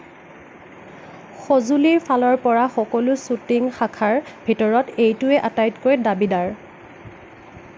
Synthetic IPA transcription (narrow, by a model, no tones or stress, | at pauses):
xozuliɹpʰalɔɹpɔɹaxɔkɔlʊsutiŋxakʰaɹbʱitɔɹɔtejtʊɛʔatajtkoɹɛdabidaɹ